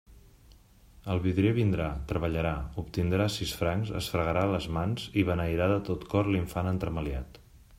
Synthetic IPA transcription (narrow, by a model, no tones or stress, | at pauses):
əlˠβiðɾeβind̪ɾat̪ɾəβəʎəɾaup̚t̪ind̪ɾasisfɾaŋzə̰sfɾəɣəɾaləzmanz̥iβənəiɾaðət̪ot̪kɔrliɱfanənt̪ɾəməliat̪